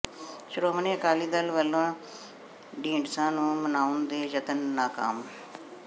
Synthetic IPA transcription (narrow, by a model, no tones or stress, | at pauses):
ʃʊɾoːmənẽːkaːliːd̪əlʋəloã | ɖĩːɳɖsãːnũːmənaːʊnd̪eːd͡ʒət̪ənːaːka̰ːm